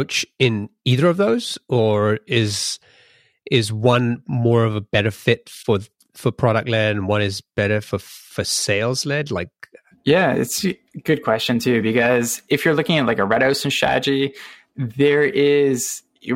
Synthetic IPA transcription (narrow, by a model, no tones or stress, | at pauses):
ʊt͡ʃɪ̃niðə˞ʌvðoʊz̥ə˞ɪz | ʔɪzwʌ̃nmɔɹʌvəbɛɾə˞fɪtfə˞ | fə˞pʰɹ̥ɑɾək̚tˡlɛd̃nwʌ̃nɨzb̥ɛɾə˞fə˞fəseɪlˠzlɛdˡlaɪk̚ | jæɪ̰tsɨɡ̥ʊd̚kʰw̥ɛst͡ʃɨ̃ntʰʉbɨkʌzɨfjə˞lʊkɪ̃ŋɨtˡlaɪkəɹɛɾoʊsn̩ʃæ̰d͡ʒi | ðə˞ɪz̥